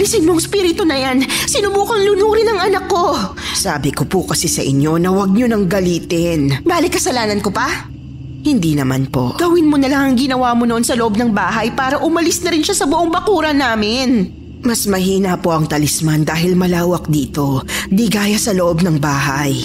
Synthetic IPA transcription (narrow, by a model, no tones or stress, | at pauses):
lɪsɪnmoŋspiːɾɪt̪onɐjansɪnʊbuːkɐŋlʊnuːɾɪnɐŋʔɐnɐkːo̞ | saːbɪkopʊkɐsɛsɐʔɪ̰ɲːo̞nɐwɐɡ̚ɲonɐŋɡɐliːt̪ɪnbaːlɪkɐsɐlaːnɐnkopɐ | hɪnd̪iːnɐma̰npo̞̰ɡ̥ɐwɪnmonɐlaŋɐŋɡɪnɐwaːmonoʔonsɐloʔob̚nɐŋbaːɦɐjpaːɾɐʔʊmɐlɪsnɐɾɪnʃasɐbʊʔoŋbɐkuːɾɐnaːmɪn | mɐsmɐɦiːnɐpo̞ʔɐŋt̪ɐlɪsmand̪aːɦɪlmɐlaːwɐk̚d̪iːt̪o̞d̪iɡaːjɐsɐloʔob̚nɐŋbaːɦɐj